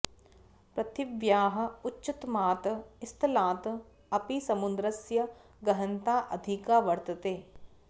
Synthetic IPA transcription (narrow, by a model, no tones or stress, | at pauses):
pɾɐt̪ɪʋjaːɦɐ̆ʊtːʃɪt̪maːt̪ɪst̪ʰɐlaːt̪ | ɐpisɐmʊnd̪ɾɐsjɐ | ɡɐɦɐnt̪aːʔɐd̪ʱikaːʋɐɾt̪ɐt̪eː